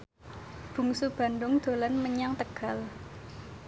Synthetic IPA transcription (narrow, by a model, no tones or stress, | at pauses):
b̥ṳŋsub̥a̤nɖʊŋd̪̥o̤lanməɲaŋt̪əɡ̥a̤l